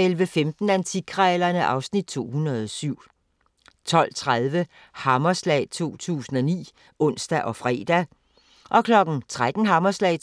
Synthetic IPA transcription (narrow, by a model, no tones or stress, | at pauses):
elʋəfemd̥n̩ænt͡sʰiɡ̥ʰʁɛːlɐnəʔɑ̈ʊsnid̥̚t͡sʰo̝̰ːhunɐðˠɒsyʊ̰ | t͡sʰɒ̽l̰t͡sʰʁað̞ˠʋə | hɑ̈mɐslɛ̰ɪt͡sʰo̝̰ːt͡sʰṵːsn̩ɒnḭː | ʔɔ̽n̰sd̥æʔɒ̽fʁɛ̰ːd̥æ | ʔɒ̽kʰlɒ̽ɡ̥n̩t͡sʰʁad̥n̩ɦɑ̈mɐslɛ̰ː